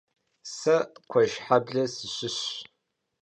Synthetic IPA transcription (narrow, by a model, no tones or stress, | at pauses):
sɐkʷʰɔʒħabɮɐsɨɕɪɕ